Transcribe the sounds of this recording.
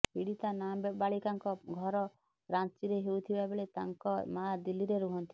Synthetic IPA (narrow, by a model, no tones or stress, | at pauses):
piɽit̪anabbaɭikaŋkɔɡʱɔɾɔ | ɾant͡ʃiɾeɦeut̪ʰibabeɭet̪aŋkɔmad̪iliɾeɾuɦɔnt̪ʰi̥